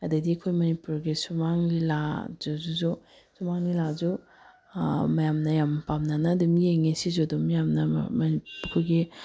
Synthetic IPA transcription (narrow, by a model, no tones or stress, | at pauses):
ɐdɐdiɐkʰojmɐnipuɾɡisumaŋlilazuzuzu | sumaŋlilazu | mɐjamnɐjampamnanɐdumieŋesizudumajamnɐ̰mɐnikʰuɾɡi